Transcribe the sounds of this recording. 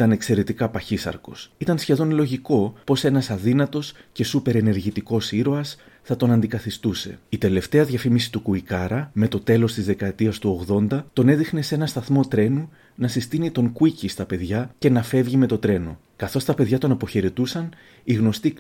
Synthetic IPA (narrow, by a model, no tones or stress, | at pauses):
t̪ɐne̞kse̞ɾe̞t̪ikɐpɐçisɐ̰ɾkosit̪ɐnsçe̞ðo̞nlo̞ʝiko̞po̞se̞nɐsɐðinɐt̪o̞sce̞supe̞ɾe̞ne̞ɾʝit̪iko̞siɾo̞ɐs | θɐt̪o̞nɐnd̪ikɐθist̪use̞̰it̪e̞le̞ft̪e̞ɐðʝɐfimisi̥t̪ukuikɐɾɐme̞t̪o̞t̪e̞lo̞st̪izðe̞kɐet̪iɐst̪uo̞ɣðo̞nd̪ɐt̪o̞ne̞ðixne̞se̞nɐst̪ɐθmo̞t̪ɾe̞nu | nɐsist̪init̪o̞ŋkuicist̪ɐpe̞ðʝɐce̞nɐfe̞vʝime̞t̪o̞t̪ɾe̞no̰ | kɐθo̞st̪ɐpe̞ðʝɐt̪o̞nɐpo̞çeɾe̞t̪usɐn | iɣno̞st̪i